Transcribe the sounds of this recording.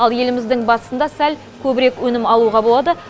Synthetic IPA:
ɑlˠje̞lɪmɪzd̪ɪŋbɑt̪əsənd̪ɑsæl | kʲʰɵbɪɾe̞kwɵnɪmɑlˠuʁɑbolˠɑd̪ə

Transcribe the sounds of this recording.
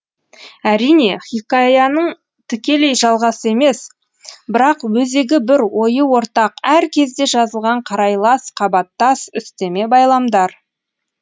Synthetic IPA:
æɾijne̞χʲikɑjɑnəɴ | t̪ʰʏkʲe̞le̞jʒɑlˠʁɑsəe̞me̞s | bɪɾɑqwɵze̞ɡʲɪbɪɾwo̞jəwo̞ɾt̪ɑqæɾkʲʰe̞zd̪e̞ʒɑzəlˠʁɑɴqʰɑɾɑjlˠɑsqʰɑbɑt̪ːɑsʏst̪e̞me̞bɑjlˠɑmd̪ɑɾ

